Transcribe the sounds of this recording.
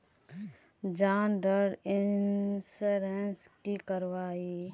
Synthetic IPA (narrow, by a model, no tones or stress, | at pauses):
d͡ʒaːnɖəɾɪnsɾenskikəɾʋaːi